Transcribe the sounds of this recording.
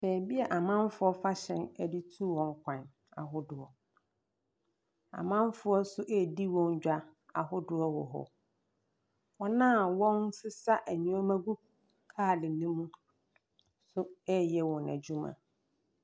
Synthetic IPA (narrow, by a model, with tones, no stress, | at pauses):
sɛː˨bi˦ɛ˨ʔa˨mã˦m˦fʊ˨˦ɔ˦fa˦ɕɛ̃˦næ˦di˦tʰu˦˨wɔ̃˨ŋ˦kʷʰã˨n | a̰˨ɦʊ˦dʊ˨ɔ˨ | a̰˨mã˦ɱ˦fʊ˦ɔ˦sʊ˦ʔɛ˦˨di˦wɔ̃˦ɲ˦d͡ʑᶣa˨ | a̰˨ɦʊ˦dʊ˨ɔ˦wɔ̰˨ɦɔ̰˨ | ɔ˦nãː˦˨wɔ̃˦n˦sɪ˦sa˦ʔæ˨ɲũ˦ɔ˦mæ̃˦ɡu˦b̚ | kʰaː˦˨lɪ˨nĩ˦mũ˦ | sʊ˦ɛ˦jɛ˦wɔ̃˨næ̰˨d͡ʑᶣu˦mã̰˨